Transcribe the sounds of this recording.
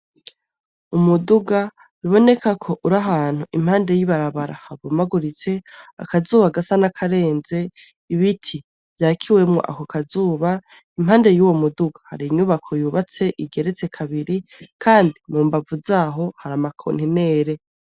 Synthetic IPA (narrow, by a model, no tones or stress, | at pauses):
umuduɡa | jiβo̞ne̞kakʰo̞ʔuɾaɦaːn̥huʔim̥haːnde̞jiβaɾaβaɾahaβumaɡuɾit͡se̞a̰kazuːβaɡasanakʰaɾe̞ːnze̞ | iβitʰi | v̥jaːkʰiwe̞mŋo̰ʔa̰kokazuːβa | imhaːnde̞juːwo̞muduɡḁha̰ɾiɲuβakʰo̞juːβat͡se̞ʔiɡe̞ɾet͡se̞kʰaβiɾikʰaːndimuːmbavuzaːɦo̞haɾamakʰo̰nhine̞ːɾe̞